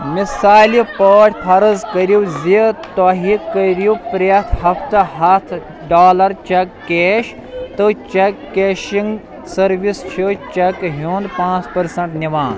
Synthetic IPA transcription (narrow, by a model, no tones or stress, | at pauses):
misaːlipoːʈʰʲpʰɐɾzkɐɾiwzit̪oɦikːɐɾupɾɐt̪ʰɦɐft̪ɐɦɐt̪ʰ | ɖaːlɐɾt͡ʃɐkːeːʃ | t̪ɨt͡ʃɐkːeːʃiŋɡ | sɐɾʋist͡ʃʰit͡ʃɐkɦuːnd̪pãːt͡spɐɾsɐɳʈniʋãːn